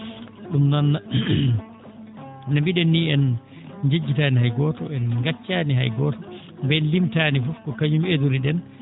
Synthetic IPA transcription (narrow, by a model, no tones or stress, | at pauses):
ɗumnanːa | nambiɗɛnːiɛn | d͡ʒed͡ʒːitaːniɦajɡɔːtɔɛnŋɡat͡ʃːaːniɦa̰jɡɔːtɔ | bɛnlimtaːnifufkɔkaɲumeduɾiɗɛn